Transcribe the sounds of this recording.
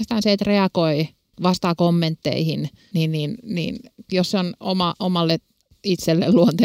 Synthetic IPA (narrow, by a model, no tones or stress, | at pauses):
st̪ɑːnseet̪reɑkoi | ʋɑst̪ɑkomːent̪ːḛihin | ninninnḭːnjosseono̰mɑʔomɑlːe | it̪selːḛlluont̪e